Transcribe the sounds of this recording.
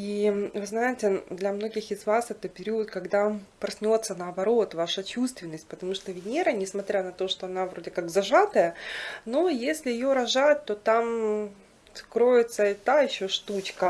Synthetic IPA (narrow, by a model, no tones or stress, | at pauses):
ivɨznajɪtʲɪd̪lʲɐmno̞ɡʲɪxɪzvasɛt̪əpʲɪɾʲiət̪kɐɡd̪apɾɐsʲnʲo̞t̪sːənɐːbɐɾo̞t̪vaʂət͡ɕust̪vʲɪnːəsʲt̚ʲpət̪ɐmuʂt̪ovʲɪnʲeɾənʲɪsmɐt̪ɾʲanɐt̪o̞ʂt̪oɐnavɾo̞dʲɪkaɡzɐʐat̪əjəno̞jesʲlʲɪjɪjoɾɐʐatʲt̪ːo̞t̪am | skɾo̞jʲɪt̪səɪt̪aɪɕːoʂt̪ut͡ɕkə